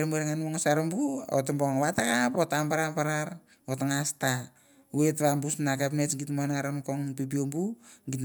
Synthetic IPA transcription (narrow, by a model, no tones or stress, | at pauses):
ɾmueɾeŋanoŋsaɾombuo̰tamboŋβatakapotambaɾapaɾaɾ | otaŋasta | uetβambusnakapnesŋɡitmoanaɾonkoŋpipiombuŋɡit